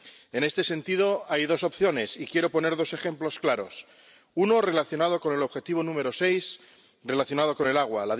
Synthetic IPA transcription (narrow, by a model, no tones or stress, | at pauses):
e̞ne̞st̪e̞se̞nt̪iðo̞ajðo̞so̞pθjo̞ne̞sikje̞ɾo̞po̞ne̞ɾðo̞se̞χe̞mplo̞sklaɾo̞s | uno̞re̞laθjo̞nað̞o̞ko̞ne̞loβxe̞t̪iβ̞o̞nũme̞ɾo̞se̞js | re̞laθjo̞nað̞o̞ko̞ne̞laɣ̞walað